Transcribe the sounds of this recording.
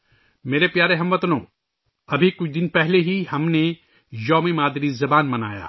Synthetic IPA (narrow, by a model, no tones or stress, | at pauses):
meːɾepjaːɾeɦɐ̃mʋɐt̪nõ̰ː | ɐbʱikʊt͡ʃʰd̪ɪnpɛɦleɦihɐmne | jɔːmimaːd̪ɾizɐbaːnmɐnaːja̰ː